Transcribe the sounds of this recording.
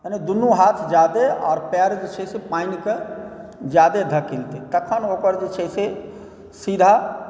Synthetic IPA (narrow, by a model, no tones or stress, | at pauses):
əned̪unːuɦat̪ʰd͡ʒad̪eɔ̰ːɾpɛɾd͡ʒet͡ʃʰɛsepainke | d͡ʒjad̪ed̪ʱəkilt̪et̪əkʰənokəɾd͡ʒet͡ʃʰɛse | sid̪ʱa